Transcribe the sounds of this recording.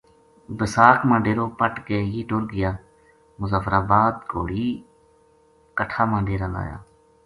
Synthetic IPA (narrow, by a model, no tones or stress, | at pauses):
bəsaːkmãːɳɖeːɾoːpəʈkeːjiːʈoːɾɡɪjaː | mʊzaːfɾaːbaːd̪ɡoːɽiː | kəʈʰaːmãːɳɖeːɾaːla̰ːja̰ː